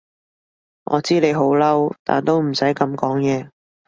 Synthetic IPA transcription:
ŋʔɔ̰ː˨˧t͡siː˥le˨˧jɦo˨˥wlɐ˥wt̪a̰ː˨˩nt̪o˥wm̩˨˩sɐ˨˥jkɐ˨˧mkɔː˨˥ŋjɛː˨˧

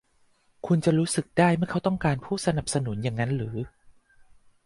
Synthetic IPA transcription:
kʰu˧nt͡ɕa˨˩ɾuː˦˥sɯ˨˩k̚daː˥˩jmɯ˥˩ɐkʰa˦˥wt̪ɔ˥˩ŋkaː˧npʰuː˥˩sa˧na˨˩p̚sa˧nu˩˦nja˨˩ŋːa˦˥nɾɯː˩˦

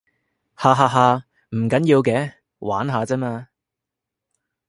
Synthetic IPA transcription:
haː˧ɦaː˧ɦaː˧ | m̩˨˩kɐ˨˥njiː˧wkɛː˧˥ | wa̰ː˨˥nɦaː˨˧t͡sɛː˥maː˧

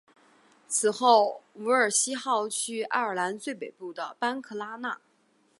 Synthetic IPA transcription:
t͡sʰɹ̩˨˩xo˥˩ʊu˧˥ə˞˨˩ɕi˥xɑ˥˧ʊt͡ɕʰy˥˩a̰˥˩ə˞˨˩la˧˥nt͡swe˥˩ɪpe˨˩ɪpu˥˩d̪ə˩pa˥nkʰɤ˥˩la˥na̰˥˩

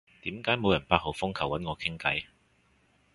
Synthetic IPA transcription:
t̪iː˨˥mkaː˨˥jmo˨˧wjɐ˨˩npaː˧t̚ho˨˩wfʊ˥ŋkʰɐ˨˩wɐ˨˥nŋɔː˨˧kʰɪ˥ŋkɐ̰˨˥j

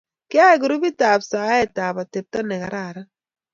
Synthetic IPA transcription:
kɪ˦a˦ɛ˨ɡu˨ɾu˦bi˦taː˨psaː˨˦ɛ˦˨ta˨pa˨te˨p̚ta˦nɛ˨ka˨ɾa˦˨ɾa˦

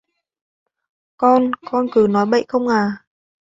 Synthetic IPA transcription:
kɔ˧nkɔ˧nkɨ˨˩nɔ˨˦jɓə̰˧˨jxə˧wŋ͡mʔaː˨˩

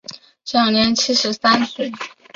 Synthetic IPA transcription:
ɕjɑ˨˩ʊnjɛ˧˥nt͡ɕʰi˥ʂɻ̩˧˥sa˥ns̩˥˩

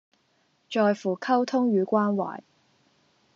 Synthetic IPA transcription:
t͡ʃɔː˨jfuː˨˩kʰɐ˥wt̪ʰʊ˥ŋɥyː˨˧kʷaː˥nwa̰ː˨˩j

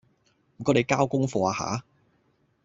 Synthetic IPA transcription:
mm̩˨˩kɔː˨˥le˨˧jkaː˥wkʊ˥ŋfɔː˧aː˧ha̰ː˨˧˥

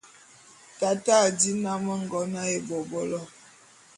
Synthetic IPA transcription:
ta˨ta˦˨di˦na˦mə˦ŋ̩˨ɡɔ˨˦na˦e˨bɔ˨bɔ˦lɔ˦

